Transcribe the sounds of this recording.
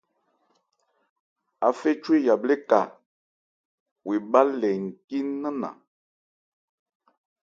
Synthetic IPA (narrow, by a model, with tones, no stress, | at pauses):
a˨fe˦t͡ʃwe˦˨ja˨ble˦ka̰˨ | wʔe˨ba˦lɛ˨ŋ̩˨ki˦nnːə˦na̰˨